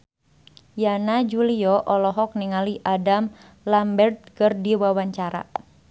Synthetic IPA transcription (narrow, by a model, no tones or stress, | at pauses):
janad͡ʒuliɔʔɔlɔɦɔk̚niŋaliʔadam | lambɛrt̪̚kərdiwawaɲt͡ʃaɾa̰